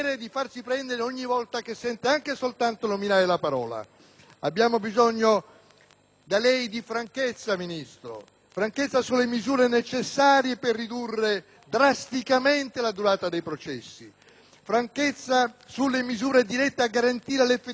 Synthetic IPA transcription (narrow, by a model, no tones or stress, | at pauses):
ɾed̪ifarsipɾɛnd̪eɾeɔɲːivɔlt̪akesːɛnt̪eaŋkesolt̪ant̪onominaːɾelapaɾɔ̰ːla̰ | abːjaːmobizɔɲːo | d̪alɛjd̪ifɾaŋket̪sːaminist̪ɾo̰ | fɾaŋket̪sːasulːemizuːɾenet͡ʃesːaːɾjeperːid̪urːe | d̪ɾast̪ikament̪elad̪uɾaːt̪ad̪ejpɾot͡ʃɛsːi | fɾaŋket̪sːasulːemizuːɾed̪iɾɛt̪ːeaɡːaɾant̪iːɾelefːe